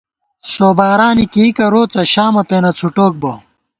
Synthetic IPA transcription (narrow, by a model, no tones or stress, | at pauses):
soːbaːɾaːnikiikɐɾoːt͡sɐɕaːmɐpeːnɐt͡sʰuʈoːk̚bo